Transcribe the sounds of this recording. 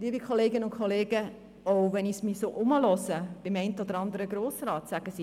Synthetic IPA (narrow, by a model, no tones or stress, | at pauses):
diːəbikʰχoleːɡənʊntkʰoleːɡə | owʋɛnismisoːʔʊməlɔsəb̥ɪmɛɪntəɔd̥̪əɾɑnd̪əɾəɡɾoːsɾɑːt̪sæɡ̥əsi